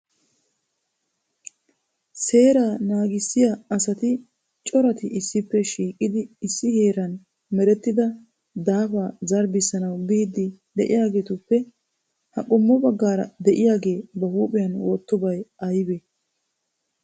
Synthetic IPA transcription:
se̞ːɾaːnaːɡɪsːɪjaɐsɐt̪ɪ | t͡ʃʼɔɾɐt̪ɪʔɪsːɪpːɛʃiːkʼːɪd̪ɪːsːɪhe̞ːɾɐn | mɛɾɛt̪ːɪd̪ɐ | d̪aːfaːzɐɾbɪsːɐnɐwbiːd̪ɪd̪ɛʔɪjaːɡe̞ːt̪ʊpːɛ | hɐ̰kʼʊmːɔbɐɡːaːɾɐ̰d̪ɛʔɪjaːɡe̞ːbɐhuːpʼɪjɐnwo̞ːt̪ːɔbɐjɐjbe

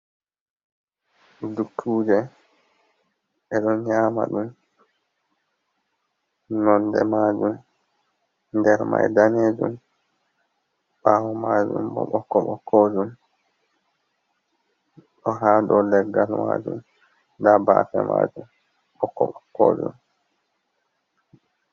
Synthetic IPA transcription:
dukʰːuːd͡ʒɛ | ʔɛɗɔnɲaːma̰ɗum | nɔndɛmad͡ʒum | ndɛɾma̰jdaneːd͡ʒum | ɓawɔmad͡ʒṵmbɔ̰ɓɔkːɔɓɔkʰːod͡ʒum | ɗɔɦaːdɔlɛɡːalma̰d͡ʒum | dabaːfɛma̰d͡ʒum | ɓɔkːɔɓɔkːoːd͡ʒum

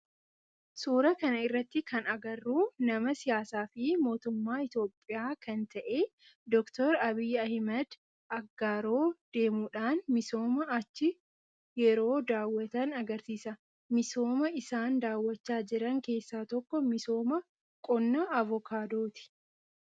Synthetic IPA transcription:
suːɾɐkɐnɐɪrːɐt̪ːɪkɐnɐɡɐrːuːnɐmɐsɪjaːsaːfɪmo̞ːt̪ʊmːaːɪt̪jo̞ːpʼːɪjaːkɐnt̪ɐʔe̞ː | d̪ɔkt̪ɔɾɐbɪjːɐhmɐd̪ | ʔɐɡːaːɾo̞ːd̪̥e̞ːmuːᶑaːnmɪso̞ːmɐɐt͡ʃːɪ | jɛɾo̞ːd̪aːwːɐt̪ɐnɐɡɐɾsiːsɐ | mɪso̞ːmɐɪsaːnd̪aːwːɐt͡ʃːaːd͡ʒɪɾɐŋke̞ːsːaːt̪ɔkːɔmɪso̞ːmɐ | kʼɔnːɐːvɔkʰaːd̪o̞ːt̪ɪ̥

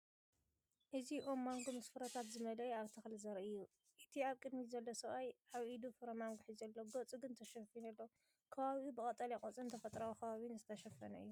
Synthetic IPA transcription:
ʔɨziʔomːaŋɡomɐsfɨɾɐt̪ʰat̪zɨmɐlɐjaβt̪ʰɨxlzɐɾɐʔɨjːu | ʔɨt̪ʰiaβkʼɨd̪mizɐlːosɐβajʔaβʔid̪ufɨɾɐmaŋɡuħizɐlːoɡot͡sʼɨɡɨnt̪ʰɐʃɐfinɐlːo | kʰɐβaβiubɨkʼɐt̪ʼːɐlakʼot͡sʼɨnt̪ʰɐfɐt̪ʼɾawkʰɐβaβinzɨt̪ʰɐʃɐfɐnɐɨjːu

